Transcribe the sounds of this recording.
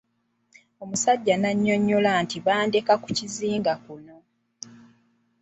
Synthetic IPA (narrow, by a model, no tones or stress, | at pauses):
o̞musaɟːanaɲːo̞ɲːolaːntiβaːndekaku̥ciziːŋɡakuno̞